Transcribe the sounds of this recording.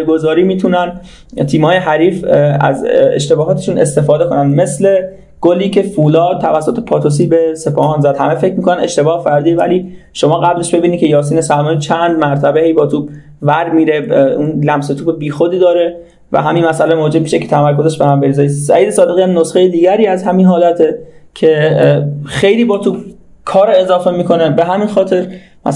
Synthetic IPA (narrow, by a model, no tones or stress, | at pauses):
ɡozɒːɾiːmiːt̪ʰunæn | t̪ʰiːmhɒːjeɦæɾiːfæ̰zḛʃt̪e̞bɒːɦɒːt̪ʰe̞ʃuːnest̪e̞fɒːd̪ekʰo̞nænd̪me̞sle̞ | ɡ̥oliːcʰe̞fuːlɒːd̪̚t̪ʰːævæsːot̪ʰe̞pʰɒːt̪ʰos̬iːbe̞sepʰɒːhɒːnzæd̪̥hæmefe̞cʰmiːkʰo̞næne̞ʃt̪e̞bɒːhfæɾd̪iːevæ̰liːʃo̞mɒːɣæbleʃbe̞biːnid̪̚cʰejɒːs̬iːnesælmɒːnit͡ʃʰænd̪mæɾt̪ʰæbehejbɒːt̪ʰuːb | væɾmiːɾeinlæmse̞t̪ʰuːbebiːxod̪iːd̪ɒːɾe̞ | væ̰ɦæminmæsælemod͡ʒe̞b̚miʃecʰe̞t̪ʰæmæɾkʰozeʃbehæmbeɾiːzeːjissæ̰jiːd̪esɒːd̪e̞ɣiːæmnosxejed̪iːɟæɾiːæzhæminɦɒːlæt̪ʰecʰe | xe̞jliːbɒːt̪ʰuːb̚ | kʰɒːɾeezɒːfe̞miːkʰo̞nebeɦæminxɒːt̪ʰe̞ɾ | mæ̰